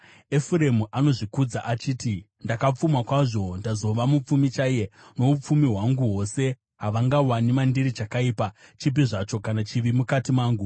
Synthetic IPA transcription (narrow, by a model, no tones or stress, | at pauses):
efuɾemuʔano̞ʐikud͡zaʔat͡ʃiːti | ndakap͡fumakwaʐo̞ndazo̞ʋamup͡fumit͡ʃajeno̞up͡fumiɦwaŋɡuɦo̞se̞ | ɦaʋaŋɡawanimandiɾit͡ʃakaiːpat͡ʃip̬iʐat͡ʃo̞kanat͡ʃiʋimukatimaːŋɡu